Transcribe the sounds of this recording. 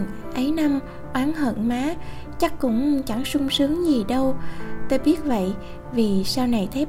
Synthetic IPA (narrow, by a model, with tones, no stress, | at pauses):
ŋ | ʔə˨˦jna˧m | ʔwaː˨˦nɦə̰˧˨nmaː˨˦ | t͡ɕa˦˥kːʊ̰˧˥ŋ͡mt͡ɕa˧˩ŋsʊ˧ŋ͡msɨ˨˦əŋzi˨˩ɗə˧wt̪o˧jɓi˦˥ət̚və̰˧˨j | vi˨˩saː˧wna˨˩jt̪ʰe˨˦˥